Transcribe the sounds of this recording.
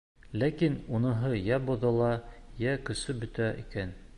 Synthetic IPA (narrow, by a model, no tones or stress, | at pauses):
lækinunɤ̆ɦɤjæbŏðɤ̆lˠɑjækɵ̆sɵbɵ̆t̪æʔḭkæn